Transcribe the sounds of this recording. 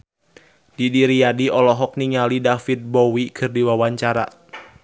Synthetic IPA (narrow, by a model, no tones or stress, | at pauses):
didiɾiadiɔlɔɦɔk̚niŋalidafit̪̚bɔwikʰɨrdiwawaɲt͡ʃaɾa̰